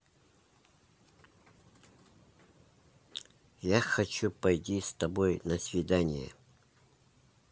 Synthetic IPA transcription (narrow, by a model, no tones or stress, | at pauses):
jaxɐt͡ɕupɐjtʲist̪ɐbojnɐsʲvʲɪd̪anʲɪjə̰